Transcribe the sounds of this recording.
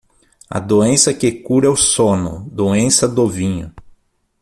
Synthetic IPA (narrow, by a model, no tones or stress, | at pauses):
ɐ̰d̪oẽsɐkekuɾɛʊsonʊ̰d̪oẽsɐd̪ovĩɲʊ̰